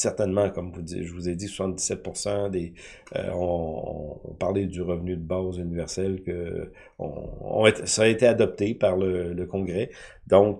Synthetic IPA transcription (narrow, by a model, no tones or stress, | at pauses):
sɛʁt̪ɛnmɑ̃kɔmvud̪iʒəvuzɛd̪iswasɑ̃t̪d̪i̥sɛt̪̚puʁsɑ̃d̪ḛ | ɔ̰̃ | paʁled̪yʁəvnyd̪əbazynivɛʁsɛlkə | ɔ̰̃ɔ̰̃et̪saet̪ead̪ɔp̚t̪epaʁlələkɔ̃ɡʁɛ | d̪ɔ̃k